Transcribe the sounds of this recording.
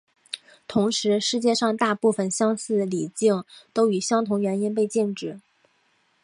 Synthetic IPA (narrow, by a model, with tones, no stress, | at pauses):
t̪ʰʊ˧˥ŋʂɻ̩˧˥ʂɻ̩˥˧t͡ɕjɛ˥˧ʂɑ˥˧ŋt̪a˥˧pu˥˩fə˨˩nɕjɑ˥ŋsɹ̩˥˩li˨˩t͡ɕi˥˩ŋt̪o˥ʊy˨˩ɕjɑ˥ŋt̪ʰʊ˧˥ŋɥɛ˧˥ni˥np̬e˥˧ɪt͡ɕɛ˥˧ŋʈ͡ʂɻ̩˥˩